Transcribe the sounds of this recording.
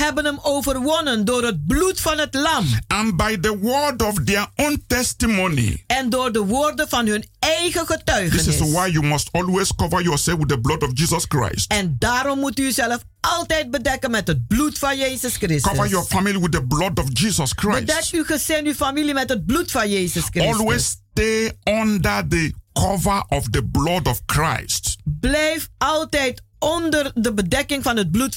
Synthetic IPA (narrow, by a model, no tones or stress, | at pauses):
ɦɛbənəmowvərʋɔnəndoːrɦət̚blutfɑnɦətlɑmãnbajðəwɜdɔfdɛ˞õntɛstimonḭɛndoːɹdəʋoːrdənvɑnɦɵnɛjχəχətœɥχdɪənsɪɪswajjumɔstɔlweskɔvə˞jɔsɛlfwɪdðəblɔdɔfd͡ʒiːzɔskɹa̰jstɛndaːɾɔmːutyzɛləf | ɑlˠtɛjt̚bədɛkənmɛtɦət̚blutfɑnjejzəskrɪskɔvəjɔfamiliwɪðəblɔdɔvd͡ʒizɔskʰɹadɛyχəz̥ɪnyfamilimɛtɦəd̚blutfɑnjejzəskrɔlwessteɔ̃ndə˞ðəkʰɔvə˞ʔɔvðəblɔdɔv̥kʰɹa̰ɪstblɛjfɑlˠtɛjtɔndərdəbədɛkɪŋfɑnɦət̚blut